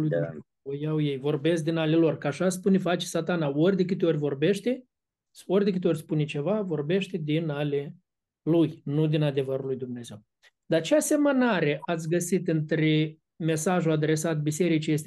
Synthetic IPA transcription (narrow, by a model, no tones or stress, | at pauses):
luj | ojawjejvo̞rbe̞sk̚d̪inalʲelo̞rkaʃaspunefat͡ʃe̥sat̪anaorʲd̪ek̬ɨt̪ʲeo̞rʲvo̞rbe̞ʃt̪e | so̞rʲd̪ekɨt̪eo̞rʲspunet͡ʃe̞vavo̞rbe̞ʃt̪ed̪inalʲe | lujnud̪inad̪e̞vəɾulːujd̪umne̞ze̞w | d̪at͡ʃease̞mənaɾe̞ʔat̪sʲɡəsit̪ɨnt̪ɾe | me̞saʒuad̪ɾe̞sat̪̚bise̞ɾit͡ʃijes̬t̪ʲe